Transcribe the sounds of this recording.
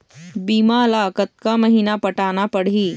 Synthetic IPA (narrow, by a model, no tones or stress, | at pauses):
biːmaɐlaːkət̪̚kamɐɦiːnapɐʈaːnapɐɽ̤iː